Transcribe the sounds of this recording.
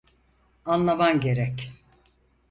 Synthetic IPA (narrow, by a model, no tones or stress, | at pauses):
anlˠamanɟe̞ɾɛc